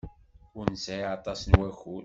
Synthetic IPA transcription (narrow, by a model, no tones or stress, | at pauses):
ʊɾnsæjɑt̪ˤɑsənwæçʊl